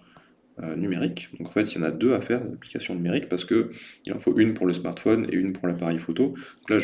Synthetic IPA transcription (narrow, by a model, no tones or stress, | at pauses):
ønymeʁikd̪ɔ̃kɑ̃fɛt̪iljɑ̃na̰d̪øafɛʁd̪̰lapli̥kasjɔ̃nymeʁikpaʁsə̥kəilʔɑ̰̃foʔynpuʁləsmaʁt̪fɔnḛynpuʁlapaʁɛjfot̪od̪̥ɔ̃klaʒ